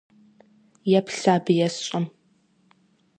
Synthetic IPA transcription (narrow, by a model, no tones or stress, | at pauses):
jɛpɬaːbɨjɛsɕʼɐm